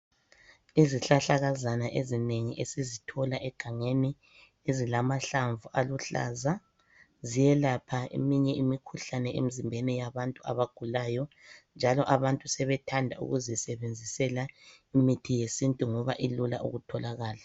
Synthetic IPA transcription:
iziɬaɬaɣazanaʔezineŋiʔesizitʰɔlaʔɛɡ̥ʱaŋeni | ezilamaɬaɱvuʔaluɬa̰ːza | zijɛlapʰaḛmiɲɛimikʰuɬanɛʔḛm̩zimbʱɛnijaβantʼua̰βaɡ̥ʱulaːjɔnd͡ʒʱalɔʔaβantʼusɛβɛtʰandʱa̰ṵɣuzisɛβend͡zʱisɛla | imitʰijesintʼuŋɔβaʔilula̰ʔṵɣutʰɔlaɣaːla

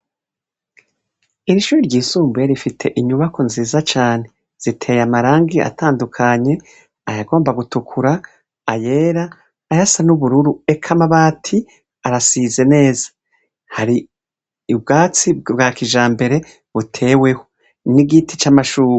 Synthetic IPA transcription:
iɾiʃuːɾiɾɟiːsuːmbeɾifitʰe̞ʔiɲuβakʰo̞nziːzat͡ʃaːne̞ | z̥itʰe̞ːjamaɾaːŋɡia̰tʰaːndukʰaɲe̞ | ajaɡo̞ːmbaɡutukʰuɾaː | je̞ːɾaː | jasanuβuɾuɾue̞kʰamaβaːtʰi | aɾasize̞ne̞ːza | haɾiː | bɡaːt͡sibɡaːkiʒaːmbe̞ɾe̞ | βutʰe̞ːwe̞ho | niɡitit͡ʃamaʃuːe

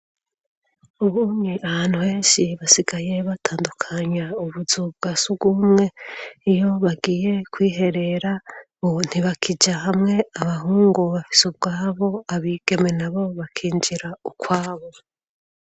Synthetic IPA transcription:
uβuɲiʔaβaːn̥uhe̞ːnʃiβasiɡaje̞βatʰaːndukʰaɲauβuzub̚ɡasuɡumŋe̞ijo̞βaɡije̞kwiːɦe̞ɾe̞ɾa | un̥iβakʰid͡ʒaɦamŋe̞aβaɦuːŋɡuβafi̥sub̚ɡaːβo̞aβiːɡ̥e̞me̞naβo̞βakʰiːɲd͡ʒiɾaukwaːβo

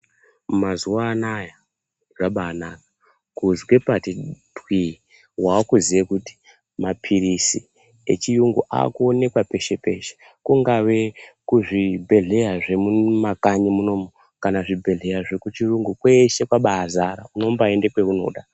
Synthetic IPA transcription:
mumazuwaːnaja | ʐaɓaːnakḁ | kuzwe̞patidʱwi | waːkuziʋekuti̥ | mapʰiɾisi | ḛt͡ʃijuŋɡuʔa̰ːkuone̞kwape̞ʃe̞pe̞ʃe̥ | kuŋɡaʋe̞kuʐibʱe̞ɮe̞jaʐe̞mumakaɲimuno̞mo | kanaʐibʱe̞ɮe̞jaʐekut͡ʃiruŋɡukwe̞ʃe̞kwaɓaːzaɾa̰uno̞mbaendekwe̞uno̞̰ɗa

